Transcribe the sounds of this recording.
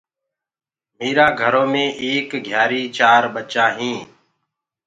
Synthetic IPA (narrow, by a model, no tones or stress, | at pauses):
meːɾaːɡʱəɾoːmẽːʔeːkɡʱjaːɾiːt͡ʃaːɾɓət͡ʃaːɦĩː